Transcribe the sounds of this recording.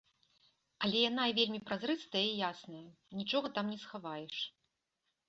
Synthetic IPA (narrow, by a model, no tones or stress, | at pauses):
ɐlʲɛjan̪aivʲelʲmʲipɾazrɨt̪st̪ɐjəijasnɐjɐ | nʲit͡ʂɔɣɐt̪amnʲɛsxavajɛʂ